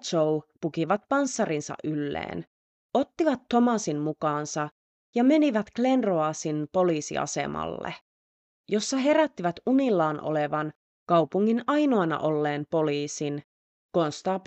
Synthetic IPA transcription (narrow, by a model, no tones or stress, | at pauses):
t͡ʃoupukiʋɑt̪̚pɑnsːɑrinsɑ̰ʔylːḛːn | o̞t̪ːiʋɑt̪ːo̞mɑsimmukɑːnsɑ | jɑme̞niʋæt̪kle̞nroɑsinpo̞liːsḭɑ̰se̞̰mɑ̰lːḛ | jo̞sːɑɦe̞ɾæt̪ːiʋæt̪unilːɑːnʔo̰le̞ʋɑn | kɑwpuŋːinɑjnoɑnɑ̰ʔo̞lːe̞ːmpo̞liːsin | ko̞nst̪ɑːp